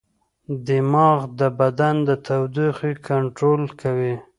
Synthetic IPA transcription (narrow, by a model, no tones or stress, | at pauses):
d̪ɪmɑɣd̪əbad̪and̪ət̪awd̪ixikʰaɳʈɾolkawi